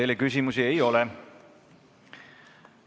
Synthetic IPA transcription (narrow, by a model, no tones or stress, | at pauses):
ejlekys̬ʲimusie̞jo̞lɛ